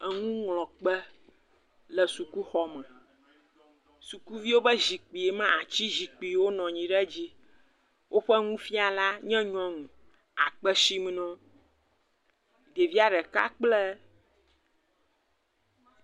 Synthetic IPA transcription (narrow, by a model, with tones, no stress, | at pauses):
ɛ˨ŋũ˦ŋlɔ̃˨k͡pɛ˦ | lɛ˨su˨ku˦xɔ˦mɛ̃˨ | su˨ku˦vi˦wo˦bɛ˦zi˨k͡pi˨e˨mɛ̃˦a˨t͡ɕi˦zi˨k͡pi˨˦wo˦nɔ̃˨ɲĩ˨ɖɛ˦d͡ʑi˦ | wʔo˦ɸɛ˦ŋũ˦fi˦a˨la˦ɲɛ̃˦ɲɔ̃˦ŋũ˨ | a̰˨k͡pɛ˦si˦m˦nɔ̃˦ | ɖe˨vi˦a˦ɖɛ˨ka̰˦k͡plɛ˦